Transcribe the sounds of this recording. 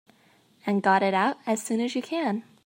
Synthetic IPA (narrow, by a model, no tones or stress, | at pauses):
ɨ̃nɡɑɾɪɾaʊɾɨz̥sʉ̃nɨzjɨkʰɨ̃n